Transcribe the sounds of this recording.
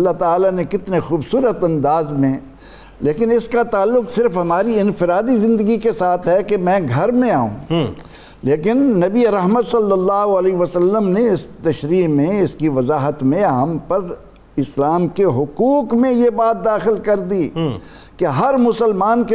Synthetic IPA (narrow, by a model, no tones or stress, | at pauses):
ɐlːaɦt̪aːlanekɪt̪nexuːbsuːɾət̪ɐ̃nd̪aːzmẽ | leːkɪnɪskat̪aːlːʊksɪɾfɦɐmaːɾiɪ̃nfɪɾaːd̪izɪ̃nd̪əɡikesaːt̪ʰɦɛkemɛ̃ːɡʱɐɾmẽaːṵ̃ː | leːkɪnːɐbieɾɐɦmət̪sɐlːəlːaːɦoɐleʋəsɐlːəmneɪst̪ɐʃɾiːmẽɪskiʋɐzaːɦət̪mẽɦɐmpɐɾ | ɪslaːmkeɦʊquːkmẽjebaːt̪̚d̪aːxɪlkɐɾd̪i | keɦɐɾmʊsəlmaːnke